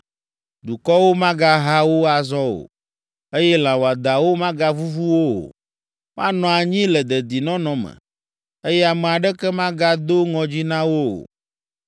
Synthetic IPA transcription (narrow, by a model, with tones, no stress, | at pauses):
d̪u˨kɔ˦wo˦mã˦ɡa˦ɦa˦wo˦a˨zɔ˦o̰˨ | e˦jɛ˦l̃ã˨wo˨a˨d̪a˨wo˦mã˦ɡa˦vu˦vu˦wo˦o̰˨ | mã˦nɔ̃˨a˨ɲĩ˦lɛ˨d̪ɛ˨d̪i˨nɔ̃˦nɔ̃˨mɛ̰̃˨ | e˦jɛ˦a˨mɛ˨a˨ɖɛ˦kɛ˦mã˦ɡa˦d̪o˦ŋɔ̃˨d͡ʑi˦nã˦wo˦o̰˨